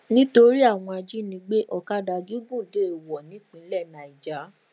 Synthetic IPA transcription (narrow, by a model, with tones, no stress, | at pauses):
nĩ˦to˧ɾi˦a˦˨w̃ɔ̃˧a˧d͡ʒi˦nĩ˧ɡ͡be˦ʔɔ˨ka˦da˧ɡi˨˦ɡũ˦˨de˦˨wɔ˨nĩ˨˦k͡pĩ˧˦lɛ˦˨nã˨i˨d͡ʒa˨˦